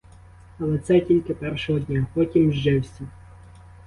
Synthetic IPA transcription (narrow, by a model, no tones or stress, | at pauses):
ɐlˠɛt̪sɛtʲilʲkɪpɛɾʃɔɦɔd̪ʲnʲapɔtʲimʒd͡ʒɪwsʲɐ